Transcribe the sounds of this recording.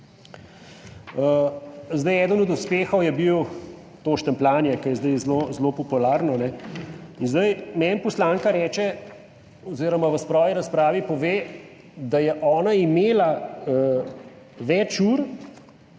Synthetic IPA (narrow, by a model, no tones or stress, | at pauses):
əzd̪ɐjɛːd̪ənɔd̪uspeːxɔwjɛbiw | t̪oːʃt̪ɛmplaːnjɛkɐjɛzd̪əjzlozlopɔpulaːɾnɔnɛinzd̪ɐjmɛnpɔslaːŋkaɾɛːt͡ʃɛ | ɔziːɾɔmaʋəspɾɔːʋiɾaspɾaːʋipɔʋeː | d̪ajɛʔɔːnaimeːla | ʋɛt͡ʃuɾ